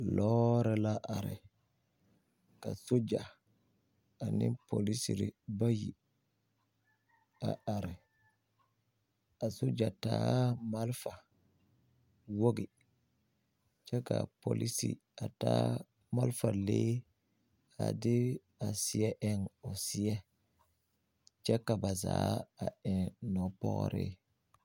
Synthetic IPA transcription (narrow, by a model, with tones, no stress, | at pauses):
lɔɾɛlaʔaɾɛ̰ | kasud͡ʒa | aninpolisiɾibaji | aʔaɾɛ | ʔa˨sud͡ʒatamalfa | wo˦ɡɪ˨ | t͡ʃɛ˦ka˨po˨li˦sḭ˨ | a˨taː˦ | ma˦lfa˨leː˦ | a̰˨dɪ˦ | a˨sɪ˦ɛ˦ʔɛ˦ŋɔ˨sɪ˦ɛ˦ | t͡ʃɛ˦ka˨ba˨za̰ː˦a˨ɛ˨ŋnɔ˨pɔ̰˦ɣɔ̰˦ɾɪ̰˦